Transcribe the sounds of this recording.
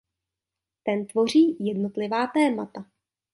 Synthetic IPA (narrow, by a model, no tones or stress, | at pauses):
t̪ɛnt̪vo̞r̝iːjɛdno̞t̪lɪvaːt̪ɛːmat̪a